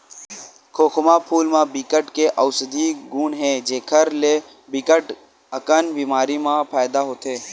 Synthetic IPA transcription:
kʰoːkʰʊmapʰuːlmãːbiːkəʈkeʔɔːsəd̪iɡuːnɦɛ̃ːd͡ʒeːkʰəɾleː | bikəʈ | əkənbiːmaːɾimãpʰaːjd̪aɦoːt̪eː

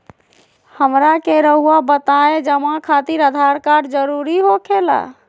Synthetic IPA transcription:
həmɾakeɾəɦuabət̪aed͡ʒəmakʰat̪iɾəd̪ʱaɾkaɖd͡ʒəɾuɾiɦokʰela̰

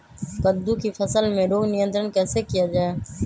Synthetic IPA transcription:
kəd̪ʱuːkiːfʰəsəlmẽːɾoːɡnɪjə̃nt̪ɾənkɛːsekɪjaːd͡ʒaːeː

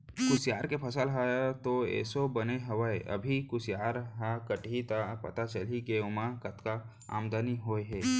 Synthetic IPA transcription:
kʊsjaːɾkepʰɐsəlɦaːjat̪oɛ̰ːsobɐneɦɐʋaeʔɐ̰bʱikʊsjaːɾɦakəʈit̪apɐ̰t̪at͡ʃəlikeʊmakɐt̪ka | a̰ːmd̪aniɦoːeɦɛː

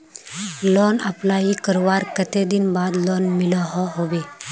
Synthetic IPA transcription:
lɔnaplaɦikəɾʋaɾkət̪ed̪inbad̪lɔnmilɔɦɔɦoʋe

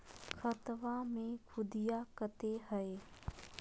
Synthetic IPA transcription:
kʰət̪ʋamẽkʰʊd̪ijakət̪eɦəe

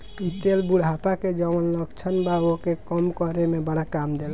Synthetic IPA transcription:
it̪elbuɽɦapaked͡ʒəmənləɡt͡ʃʰənbaokekəmkɔɾemebəɽakamd̪el

